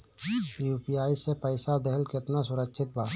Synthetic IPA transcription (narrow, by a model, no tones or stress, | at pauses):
juːpijaːisepəɪsad̪əɦəlkɪt̪nasʊɾəkʃʰɪt̪baː